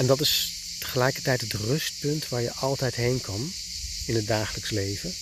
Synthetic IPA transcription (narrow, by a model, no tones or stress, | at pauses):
ɛndɑtɪs | tə̥χəlɛjkəɹtɛjtɦətrɵst̚pɵntʋaːɹjəʔɑlˠtɛjtɦejnkɑn | ɪnɦət̚daːχələkslejvə